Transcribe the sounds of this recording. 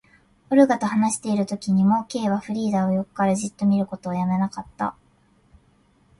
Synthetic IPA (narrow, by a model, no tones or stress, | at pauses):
oɾɯ̟ɡat̪o̞hanaɕi̥t̪e̞iɾɯ̟t̪o̞kʲiɲ̟imo̞ke̞ːβaɸɯ̟ɾʲiːd̪aːojo̞ko̥kaɾaʑit̪ːo̞mʲiɾɯ̟ko̞t̪oːjame̞nakat̪ːa̰